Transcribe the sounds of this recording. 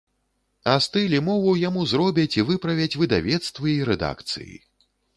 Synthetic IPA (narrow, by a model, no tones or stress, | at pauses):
ast̪ɨlʲimɔvuwjamuzɾɔbʲɐt͡sʲivɨpɾɐvʲɐt͡sʲvɨd̪avʲɛt̪st̪vɨiɾɛd̪a̰kt̪sɨ̰jḭ